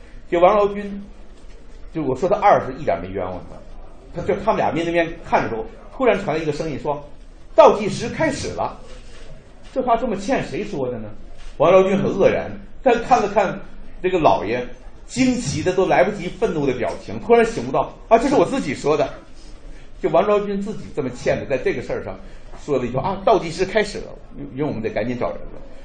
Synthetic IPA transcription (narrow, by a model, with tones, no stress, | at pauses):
t͡ɕjo˥˩ʊwɑ˧˥ŋlɑ˧˥ʊt͡ɕy˥n | t͡ɕjo˥˩˧ʂwɔ˨˩ʂwɔ˥a˧˥ʔa˥˩ʂɹ̩˥i˥˩t̪jɛ̰˧˥me˧˥ɪɥɛ̰˧˥nwə̰˨˩n̰˦ | t̪ʰa˥t͡ɕjo˥˩ʊt̪ʰa˥mə˨lj̰mjɛ˥˧ni˥˩mjɛ˥nkʰa˥˩nʈ͡ʂə˩ʂwɔ˥˩ | t̪ʰu˥ɻa˧˥nʈ͡ʂʰwa˧˥nlə˧i˧˥ɡə˧ʂɤ˥ŋi˥˩nʂwɔ˥ | t̪ɑ˥˧ʊt̪i˥˩ʂɻ̩˧˥˧kʰa˥ɪʂɻ̩˨˩lɐ̰˦ | ʈ͡ʂɤ˥˧xwa˥˧˩ʈ͡ʂɤ˥˩mə˩t͡ɕʰjɛ˥˩nʂe˧˥ɪʂwɔ˥d̪ə˨nə˩wa˧˥ŋlɑ˧˥ʊt͡ɕy˥nxə˨˩nɤ˥˩ɻa̰˧˥nt̪a˥˧ʂkʰa˥˩nlə˧kʰa˥˧nʈ͡ʂɤ˥˩ɡə˩lɑ̰˨˩ʊjɛ˧˥t͡ɕi˥ŋt͡ɕʰi˧˥d̪ə˧t̪o˥la˧˥ɪpu˥˩t͡ɕi˧˥fə˥˧nnu˥˩d̪ə˧pjɑ̰˨˩ʊt͡ɕʰi˧˥ŋt̪ʰu˥ɻa˧˥nɕi˨˧˩ŋpu˥t̪ɑ˥˩ʊa˥˧t͡ɕo˥˧ʊʂɻ̩˥˩wɔ˨˩t͡sɹ̩˥˩t͡ɕi˨˩ʂwɔ˥d̪ə˨ | t͡ɕjo˥˩ʊwɑ˧˥ŋɻɑ˥ʊt͡ɕy˥nt͡sɹ̩˥˩t͡ɕḭ˨˩ʈ͡ʂɤ˥˩mə˩t͡ɕʰjɛ˥˩nd̪ə˩t͡sa˥˧ɪʈ͡ʂɤ˥˩ɡə˩ʂə˥˧ʂɑ̰˧˩ŋʂwɔ˥lə˧i˧˥˩ʔa˥˧˩t̪ɑ˥˧ʊt͡ɕi˥˩ʂɻ̩˥kʰa˥ɪʂɻ̩˨˩lə̰˦˥˧wɔ˨˧ə˦nt͡se˧˩ka˧˥nt͡ɕjɛ˧˥nʈ͡ʂɑ̰˨˩ʊɻə̰˧˥nlə̰˧